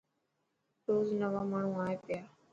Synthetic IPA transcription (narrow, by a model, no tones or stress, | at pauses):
ɾoːznəʋaːmaːɳ̤ũːaːepɪjaː